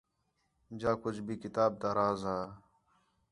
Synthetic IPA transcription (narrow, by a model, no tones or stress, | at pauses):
d͡ʒaːkʊt͡ʃʰbʱiːkɪt̪aːb̚t̪aːɾaːzaː